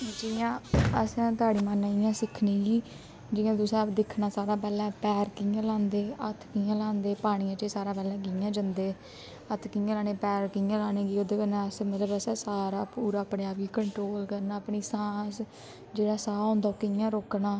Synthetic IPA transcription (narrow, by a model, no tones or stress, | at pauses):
d͡ʒɪjãːəsːt̪aːɽiːmanaɪjãːsɪkʰniːɡiː | d͡ʒɪːãːd̪ʊsɛ̃ːd̪ɪkʰnaːsaːɾãːp̬ɛːlɛ̃ːpɛːɾkijãːlãːnd̪eːət̪ʰkɪjãːlãːnd̪eːpaːɽ̃iːãːt͡ʃeːsaːɾãːpɛːlɛ̃ːk̬ɪãːd͡ʒənd̪eː | ət̪ʰkɪjãːlaːneːpɛːɾkɪjãːlaːneːɡiːod̪kənãəsmət̪ləbəsɛːsaːɾaːpuːɾaːpɳeːaːbɡiːkəɳʈɾoːlkəɾnaːəpɳiːsãːs | d͡ʒeːɽaːsaːõːnd̪aːoːkɪjãːɾoːknaː